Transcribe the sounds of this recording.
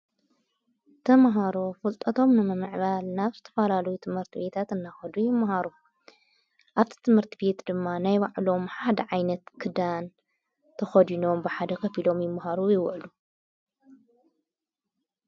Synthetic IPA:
t̪ʰɐmɦaɾo̞fɨlt̪ʼɐt̪ʰo̞mnɨmɨmɨʕβalnaβzɨt̪ʰɐfɐlalɐjut̪ʰɨmhɨɾt̪ʰɨbe̞t̪ʰat̪ɨnːaxɐd̪ujɪmːahaɾu | ʔaβt̪ʰi̥t̪ʰɨmhɨɾt̪ʰibe̞t̪d̪ɨmːanajbaʕlo̞mħad̪ɐʕajnɐt̪kʰɨd̪an | t̪ʰɐxɐd̪ino̞mbɨħad̪ɐkʰɐfilo̞mjɪmːaɦaɾujɪwʕlu

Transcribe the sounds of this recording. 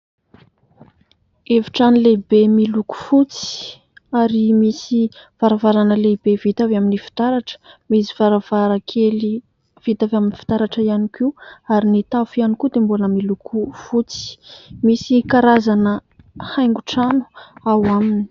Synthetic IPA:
evi̥ʈ͡ʂanilebemiluku̥fut͡si̥ | aɾimisiv̥aɾavaɾanəlebevit̪avaminifi̥t̪aɾaʈ͡ʂə̥misivaɾavaɾakʰeli | v̥it̪avaminifi̥t̪aɾaʈ͡ʂəianikiuaɾinit̪afianikud̪embuləmilukʰufut͡si̥misikaɾazanəhajŋɡuʈ͡ʂanu̥awamini̥

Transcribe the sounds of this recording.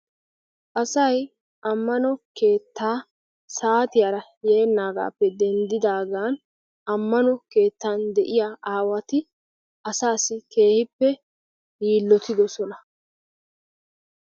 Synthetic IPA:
ʔɐsɐj | ʔɐmːɐnɔke̞ːt̪ːaː | saːt̪ɪjaːɾɐ | jeːnːaːɡa̰ːpːɛd̪ɛnd̪ɪd̪aːɡaːn | ʔɐmːɐnɔke̞ːt̪ːaːnd̪ɛʔɪjaːʔaːwɐt̪ɪ | ʔɐsaːsɪke̞ːhɪpːɛ | iːlːɔt̪ɪd̪ɔsɔnɐ

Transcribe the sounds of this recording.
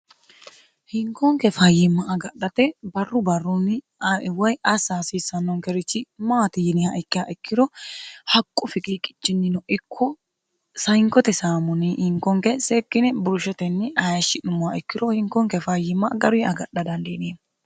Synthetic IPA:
hɪŋkɔŋkɛfɐjɪmːɐʔːɡɐɗːɐt̪ɛbɐrːʊbɐrːʊnɪ | wɐjɐsaːsiːsɐnːɔŋkɛɾɪt͡ʃːɪmaːt̪ɪjɪnɪhɐʔɪkːɪjaːʔɪkːɪɾɔhɐkʼːʊfɪkʼikʼɪ̥t͡ʃːɪnːɪnɔʔɪkʰːɔ | sɐjŋkːɔt̪ɛsaːmʊnɪʔɪŋkɔŋkɛseːkːɪnɪbʊɾʊʃɛt̪ɛnːɪɐjɐʃːɪnʊmːʊaɛkːɪdɔhɪŋkɔŋkɛfɐjɪmːɐɡɐɾʊɐɡɐɗːɐd̪ɐnd̪eneː

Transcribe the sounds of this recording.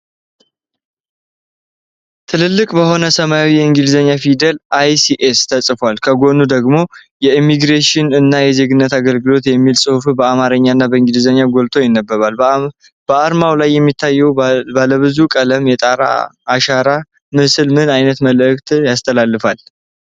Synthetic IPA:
t̪ʰɨlɨlːɨkʼbəho̞nəsəmaawijɛɨŋɡɨlzəɲːafid̪əlʔajsiʔest̪ʰəsʼfalkʰəɡo̞nud̪əɡmo̞ | jɛimːiɡɾeʃɪnɨnːajɛze̞ɡɨnːət̪aɡəlɡɨlo̞t̪jɛmːilsʼɨhufbəamaɾəɲːaɨnːabəɨŋɡɨlzəɲːaɡo̞lt̪ʰo̞jɪnːəbːəβal | b̥əaɾmawlajːɛmːit̪ʰːajːɛwbələβɨzukʼələmjɛt̪ʼaɾa̰ːʃaɾa | mɨsɨlmɨnajnət̪məlʔɨkt̪ʰjast̪ʰəlalːɨfal

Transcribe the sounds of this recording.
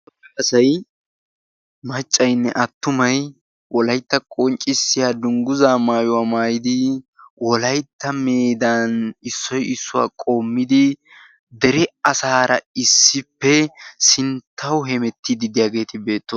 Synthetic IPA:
ɐɐsɐj | mɐt͡ʃʼːɐjnːɛʔɐt̪ːʊmɐj | wɔlɐjt̪ːɐkʼɔnt͡ʃʼɪsːɪjaːd̪ʊŋɡʊzaːmaːjʊwaːmaːjɪd̪ɪwɔlɐjt̪ːɐmeːd̪anɪsːɔjɪsːʊwa̰ːkʼo̞ːmːɪd̪ɪ | d̪ɛɾɛɐsaːɾɐ̰ɪsːɪpːɛsɪnt̪ʰːɐwɦɛmɛt̪ːɪd̪ɪd̪ɪjaːɡe̞ːt̪ɪbe̞ːt̪ːo

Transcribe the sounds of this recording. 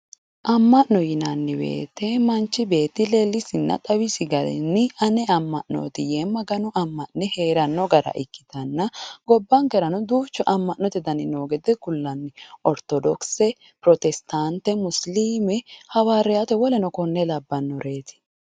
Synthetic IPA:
ʔɐmːɐʔnɔjɪnɐnːɪbḛːt̪ːɛmɐnt͡ʃːɪbe̞ːt̪ːɪlelːɪsɪnːɐ̰t̪ʼɐwɪsɪɡɐlɛ̰nːɪɐnɛɐmːɐʔno̰ːt̪ɪjeːmːɐɡɐnʊɐmːɐnɛheːɾɐnːɔɡɐɾɐ̰ʔɪkːɪ̥t̪ɐnːɐɡɔbːɐŋɡɛɾɐnɔd̪uːt͡ʃːɔʔɐmːɐʔnːɔt̪ɛd̪ɐnɪnoːɡɛd̪ɛɡʊlːɐnːɪʔɔɾt̪ɔd̪ɔksɛ | pɾɔt̪ɛst̪ant̪ːɛmʊsliːmɛhɐwaːɾɛjat̪ɛwɔlɛnɔkɔnːɛlɐbːɐnːɔɾʔe̞ːt̪ɪ̥

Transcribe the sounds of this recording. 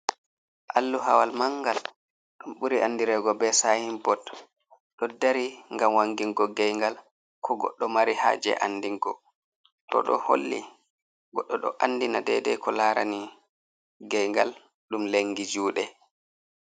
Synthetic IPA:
ʔa̰lːuɦa̰walmaŋɡal | ɗunɓuɾiʔanːdiɾɛːɡɔbɛsahimbɔt | ɗɔdaɾiŋɡamwaŋɡiŋɡɔɡɛjŋɡal | kʰɔɡɔ̰ɗːɔmaɾiha̰d͡ʒɛ̰ʔanːdiŋɡɔ | ɗɔ̰ɗɔ̰ho̰lːḭ | ɡɔɗːɔɗɔ̰ʔanːdinadɛdɛ̰kɔlaːɾa̰ni | ɡɛjŋɡal | ɗumleŋːɡid͡ʒuːɗɛ

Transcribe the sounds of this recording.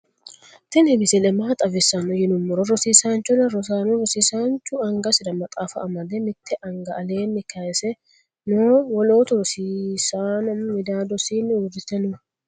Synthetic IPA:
t̪ɪnhɪbɪsɛlɛmaːt̪ʼɐvɪsɐnɔjɪnʊmːɔɾɔɾɔsiːsaːnt͡ʃːɔlɐɾɔs̬aːnɔɾɔsiːsaːnt͡ʃːʊɐŋɡɐsɪd̪ɐmɐt̪ʼaːfɐ̰ːmɐd̪ɛmɪt̪ʰːɛʔɐŋɡɐɐleːnːɪkɐjɛsɛ | noːwɔloːt̪ʊɾɔsiːsaːnɔmmɪd̪aːd̪ɔsiːnːʊdɪt̪ːɛnɔ

